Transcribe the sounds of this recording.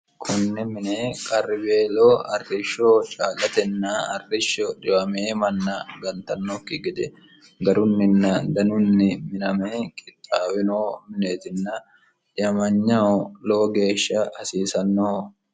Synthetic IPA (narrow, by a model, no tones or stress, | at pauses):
kʰʊnːɛmɪneːkʼɐrːɪbeːloːɐrːɪʃːoːt͡ʃʼaːlɐt̪ɛnːɐɐ̰rːɪʃːɔᶑɪwɐmeːmɐnːɐɡɐnt̪ɐnːɔkːɪɡɪd̪ɛ | ɡɐɾʊnːɪnːɐd̪ɐnʊnːɪmɪnɐmeːkʼɪt̪ʼːaːwɪnoːmɪneːt̪ɪnːɐ | ᶑɪɐmɐɲːɐloːɡe̞ːʃːɐhɐsiːsɐnːoː